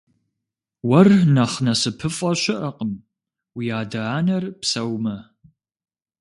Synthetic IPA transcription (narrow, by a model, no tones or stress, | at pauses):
wɐrnɐχnɐsɨpʰɨfʼɐɕɪʔɐqʼəm | wijaːdɐaːnɐrpsɐwmɐ